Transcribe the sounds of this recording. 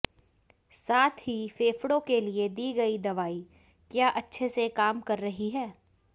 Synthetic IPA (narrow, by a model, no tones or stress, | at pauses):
saːt̪ʰɦifeːfɽõkelied̪iːɡɐid̪ɐʋaːi | kjaːʔɐtːʃʰesekaːmkɐɾːɐɦiɦɛː